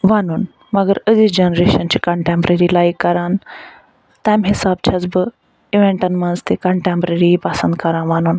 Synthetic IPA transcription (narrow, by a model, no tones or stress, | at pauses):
ʋanuːn | mɐɡəɾəd͡zid͡ʑenɾeɕənt͡ɕikɐ̃ɳʈempɾeɾilajkːɐɾãːn | t̪ãmɦisaːbt͡ɕʰad͡zbə | iʋẽɳʈɐnmɐnzt̪ekɐ̃ɳʈẽmpɾeɾipasənd̪kɐɾãnʋanuːn